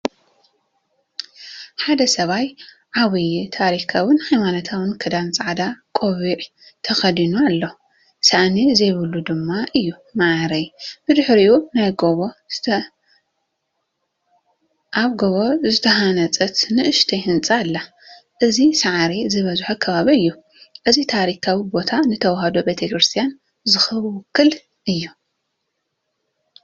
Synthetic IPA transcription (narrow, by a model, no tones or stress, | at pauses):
ħad̪ɐsɐβaj | ʕaβɨjt̪ʰaɾikʰawɨnhajmanɐt̪ʰawɨnkʰɐd̪ant͡sʼaʕd̪akʼoβiʕ | t̪ʰɐxɐd̪inualːo | saʔnizɐjβɨlːud̪ɨmːaʔɨjːumaʕɾɐjb̥ɨd̪ɨħɾiunajɡo | ʔaβɡoβozɨt̪ʰɐɦanɐt͡sʼɐt̪nɨʔɨʃt̪ʰejhɨnt͡sʼalːa | ʔɨzisaʕaɾizɨβɐzħukʰɐβaβiɨjːu | ʔɨzit̪ʰaɾikʰawibo̞t̪ʰanɨt̪ʰɐwhɐd̪obet̪ʰekɾɨst̪ʰijan | zɨxɨβwkːɨl | ʔɨjːu